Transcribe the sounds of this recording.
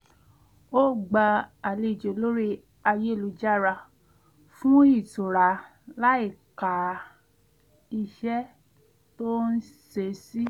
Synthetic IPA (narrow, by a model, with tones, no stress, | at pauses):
o˦˨ɡ͡ba˧a˨le˧˨d͡ʒo˨lo˦ɾi˦ | a˧je˦˨lu˨˦d͡ʒa˦˨ɾa˧ | fũ˦i˦˨to˨ɾa˨˧˦ | la˦i˦˨ka˨ | i˧ʃɛ˦ | to˦n̩˦ | se˧˦si˦